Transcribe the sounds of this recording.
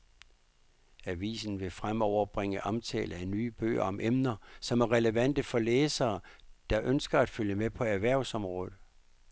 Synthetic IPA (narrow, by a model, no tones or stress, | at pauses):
æʋḭːsn̩ʋe̝fʁamɒʊ̰ɐb̥ʁeŋ̰əʔɒ̽mt͡sʰɛ̰ːləænyːb̥ø̰ːɐ̰ɒ̽mʔemnɐsɒ̽mæɐʁɛləʋæn̰d̥əfɒ̽leːsɐːd̥ɑ̈ʔønsɡ̥ɐæd̥føljəmepʰɒ̽æɐʋæɐ̰ʊsɒ̽mʁɔːð̩ˠ